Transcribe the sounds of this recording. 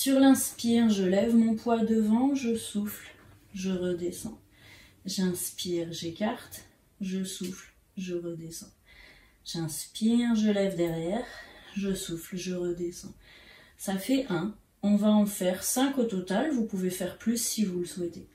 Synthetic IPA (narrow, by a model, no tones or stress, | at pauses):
syʁlɛ̃spiʁʒəlɛvmɔ̃pwad̪əvɑ̃ʒəsufl | ʒəʁəd̪esɑ̰̃ | ʒɛ̃spiʁʒekaʁt̪ | ʒəsufl | ʒəʁəd̪esɑ̃ | ʒɛ̃spiʁʒəlɛvd̪ɛʁjɛːʁʒəsuflʒəʁəd̪esɑ̃ | safɛʔɛ̃ | ɔ̃vaɑ̃fɛʁsɛ̃kot̪ɔt̪alvupuvefɛʁplysːivuləswɛt̪e